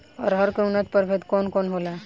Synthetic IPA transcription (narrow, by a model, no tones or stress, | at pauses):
ɔ̰ɾɦəɾkəunat̪̚pəɾfʰet̪kɔnkɔnɦola